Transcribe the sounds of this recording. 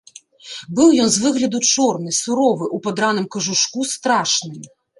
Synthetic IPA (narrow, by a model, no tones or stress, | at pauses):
bɨwjɔnzvɨɣlʲɐd̪ut͡ʂɔrnɨsuɾɔvɨʔupad̪ɾanɨmkɐʐuʂkust̪ɾaʂnɨm